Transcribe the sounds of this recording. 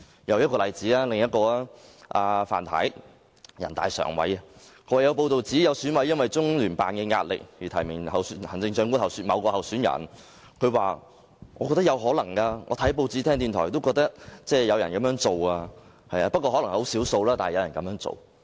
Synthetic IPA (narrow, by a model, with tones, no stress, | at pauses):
jɐ˨˧wjɐ˥t̚kɔ˧lɐ˨jt͡siː˨˥aː˦˥lɪ˨ŋjɐ˥t̚kɔː˧a˥ʔaː˨fa̰ː˨˩nt̪ʰɐ̰˨˥j | jɐ˨˩nt̪aː˨jsœ̰ː˨˩ŋwɐ̰˨˥jɐ˧kʰwaː˨˩jɐ˨˧wpo˧wt̪o˨wt͡siː˨˥jɐ˨˧wsy˨˥nwɐ˨˥jːɐ˥nwɐ˨jt͡sʊ˥ŋlyː˨˩npa̰ː˨nkɛ˧ŋa̰ː˧t̚lɪ̰˨k̚jiː˨˩t̪ʰɐ˨˩jmɪ˨˩ŋhɐ˨wshɐ˨˩nt͡sɪ˧ŋsœː˧ŋku˥hɐ˨wsy˨˥nmɐ̰˨˧wkɔː˧hɐ˨wsy˨˥njɐ̰˨˩n | kʰɵ˨˧ɥwaː˨ | ŋʔɔː˨˧kɔ˧t̪ɐ˥jɐ˨˧wɦɔː˨˥lɐ˨˩ŋkaː˧ŋɔ̰ː˨˧t̪ʰɐ˨˥jp̬o˧wt͡siː˨˥t̪ʰɛː˥ŋt̪iː˨nt̪ʰɔː˨˩jt̪o˥wkɔː˧k̚t̪ɐ˥k̚t͡sɛː˥˧˩jɐ˨˧wjɐ˨˩nkɐ˨˥mjœː˨˥ŋt͡so˨waː˧ | hɐ˨jaː˧pɐ˥kɔ˧ɔ˨˥lŋ˨ho˨˥wsi˨˥wso˧wlaː˥t̪aː˨hjɐ˨˧jɐ˨˩nkɐ˨mjœː˧˥ŋt͡so̰˨w